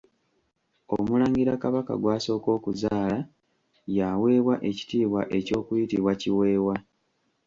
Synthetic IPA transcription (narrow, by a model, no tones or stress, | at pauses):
omulaːŋɡiɾakaβaka̰ɡwaːso̞ːko̞ːkuzaːla | jawe̞ːβwaʔe̞ci̥tiːβwaʔe̞co̞ːkujitiβwaciwe̞ːwa